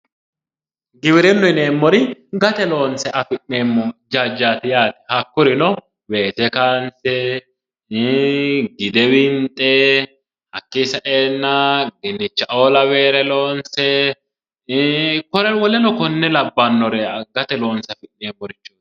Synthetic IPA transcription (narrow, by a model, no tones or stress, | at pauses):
ɡɪwɪɾɛnːɔɪneːmːɔɾɪɡɐt̪ɛlo̞ːnsɛʔɐfɪʔneːmːɔd͡ʒaːd͡ʒːaːt̪ɪjaːt̪ɪ̥hɐkːʊɾɪnɔ | we̞ːt̪ɛkaːnsɛ | ɡɪd̪ɛwɪnt̪ʼɛ | hɐkːɪsɐʔeːnːɐɡɪnːɪt͡ʃːɐʔoːlɐwe̞ːɾɛlo̞ːnsɛ | kɔɾɛwɔlɛnɔkɔnːɛlɐbːɐnːɔɾɛɡɐt̪ɛlo̞ːnsɐfɪʔneːmːɔɾɪt͡ʃːu